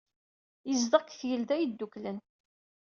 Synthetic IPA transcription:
jəzðəkːθjəld̪æjd̪ːuklən

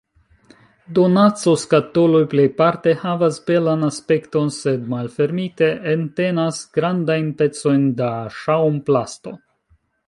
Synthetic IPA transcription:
do̞nat͡so̞skato̞lo̞jple̞jpaɾte̞havasbe̞lanaspe̞kto̞nse̞dmalfe̞ɾmite̞ʔːnte̞nasɡ̥ɾandajnpe̞t͡so̞jndaʃawumplasto̞̰

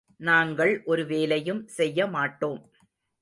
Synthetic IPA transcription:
naːŋɡɐɭʔɔɾɯʋeːlɐjɯmsɛjːɐmaːʈːoːm

